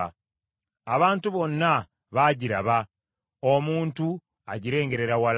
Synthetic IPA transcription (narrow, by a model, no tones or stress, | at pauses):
aβaːntuβo̞nːa | βaːɟiɾa̰βa | omuːntu | aɟiɾe̞ːŋɡe̞ɾe̞ɾawal